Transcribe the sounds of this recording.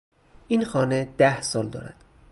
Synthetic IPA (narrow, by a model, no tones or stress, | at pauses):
ʔinxɒːned̪æhsɒːld̪ɒ̰ːɾæ̰d̪̥